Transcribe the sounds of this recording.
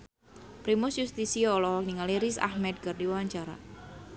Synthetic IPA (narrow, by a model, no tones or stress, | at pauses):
pɾimʊsjust̪isiɔlɔhɔk̚niŋaliɾisa̰hmɛd̪̚kərdiwawaɲt͡ʃaɾa̰